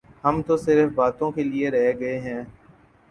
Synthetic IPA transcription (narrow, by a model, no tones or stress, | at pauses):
ɦəmt̪osɪɾfbaːt̪õkelieɾɐɦeɡɐeɦɛ̃ː